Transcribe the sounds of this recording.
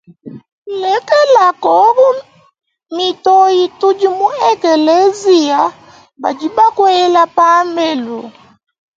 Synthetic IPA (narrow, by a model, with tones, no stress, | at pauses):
lɛ˦kɛ˦la˨kɔ˨˦ɣu˦ | mi˨tɔ˦ji˦tu˦d͡ʒi˦mu˦ɛ˦kɛ˨lɛ˦zi˨a˨ | ba̰˨d͡ʒi˨˦ba˦kwɛ˦ɛ˦la˦pa˦mbɛ˦˨lu˨